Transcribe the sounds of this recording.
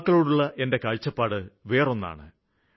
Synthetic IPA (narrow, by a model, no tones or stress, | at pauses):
kːɐɭoːɽuɭːɐʔe̞nde̞kɐɻt͡ɕːɐpːaːɽɨʋe̞ːro̞nːa̰ːɳɨ